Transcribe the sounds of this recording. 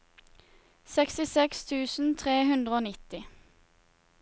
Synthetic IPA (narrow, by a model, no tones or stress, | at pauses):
sɛkst̪ɪsɛkst̪ʰʉːsn̩t̪ʰʁeːhʉnd̪ʁəoːnɪt̪ɪ